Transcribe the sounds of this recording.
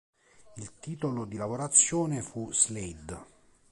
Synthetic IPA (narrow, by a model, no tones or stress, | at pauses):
ilt̪iːt̪olod̪ilavoɾat̪sːjoːnefuz̥led̪